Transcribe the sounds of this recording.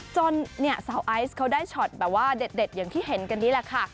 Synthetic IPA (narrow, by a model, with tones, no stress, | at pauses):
t͡ɕo˧nːi˥˩ɐsaː˩˦wʔa˦˥jskʰa˦˥wdaː˥˩jt͡ɕʰɔ˨˩t̪̚bɛː˨˩p̚waː˥˩de˨˩t̪̚de˨˩t̪̚jaː˨˩ŋt̪ʰiː˥˩ɦe˩˦nka˧ndiː˦˥la˧˩kʰa˥˩